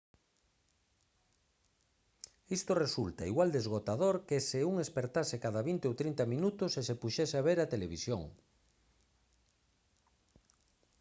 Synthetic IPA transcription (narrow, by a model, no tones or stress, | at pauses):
ist̪oresult̪aiɣwald̪ezɣ̞ot̪aðoɾkeseuŋespeɾt̪asekaðaβint̪eowt̪ɾint̪amĩnut̪osesepuʃɛseaβeɾat̪eleβisjo̰ŋ